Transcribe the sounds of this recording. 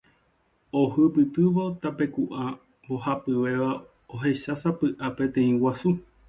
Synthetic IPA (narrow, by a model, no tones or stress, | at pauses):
o̞hɨpɨt̪ɨʋo̞t̪ape̞kuʔa | mbo̞hapɨʋe̞ʋa | oɦe̞ʃasapɨʔape̞t̪ẽ̞ĩwasu